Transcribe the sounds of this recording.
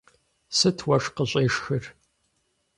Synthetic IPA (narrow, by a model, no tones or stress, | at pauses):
sɨtʰwɐʂqəɕʼeːʂxɨr